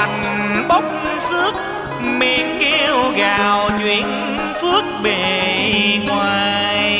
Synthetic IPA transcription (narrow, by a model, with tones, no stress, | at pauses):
a˨˩ŋ | ɓo˦˥wk͡p̚ | sɨ˦˥ək̚ | mi˧˨˦ənke˧wɣaː˨˩wt͡ɕwḭ˧˨ən | fɨ˦˥ək̚ɓe˨˩ŋwaː˨˩j